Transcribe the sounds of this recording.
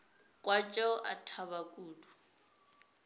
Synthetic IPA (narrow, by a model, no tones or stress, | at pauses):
kʼwat͡ʃʼɔʔa̰tʰabakʼuːdu